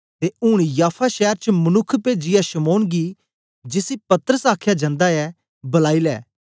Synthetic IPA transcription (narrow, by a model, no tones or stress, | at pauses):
t̪eʊɽ̃jaːpʰaʃɛːɾt͡ʃəmɐnʊkʰːped͡ʒɪjaʃɐmoːnɡi | d͡ʒɪsipɐt̪əɾəsaːkʰjad͡ʒãːnd̪aɛ | bɐlaːilɛ̰ː